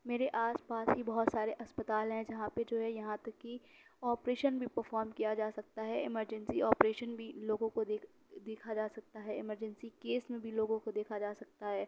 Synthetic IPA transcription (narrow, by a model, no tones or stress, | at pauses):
meːɾeʔaːspaːsɦibɐɦʊt̪saːɾeʔɐspət̪aːlɦɛ̃d͡ʒɐɦãped͡ʒoːɦɛjɐɦãt̪ɐkːi | ɔːpɾeːʃənbʱipɐɾfɔːɾmkijad͡ʒaːsɐk̚t̪aɦɛɪməɾd͡ʒɛ̃nsiɔːpɾeːʃənbʱiloːɡõkod̪eːk | d̪eːkʰad͡ʒaːsɐk̚t̪aɦɛɪməɾd͡ʒɛ̃nsikeːsmẽbʱiloːɡõkod̪eːkʰad͡ʒaːsɐk̚t̪aɦɛː